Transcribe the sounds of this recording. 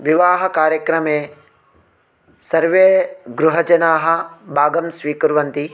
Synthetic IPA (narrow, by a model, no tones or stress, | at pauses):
ʋɪʋaːɦɐkaːɾjɐkɾɐmeː | sɐɾʋeːɡɾʊɦɐd͡ʒɐnaːɦɐ̆baːɡɐmsʋiːkuɾʋɐnt̪i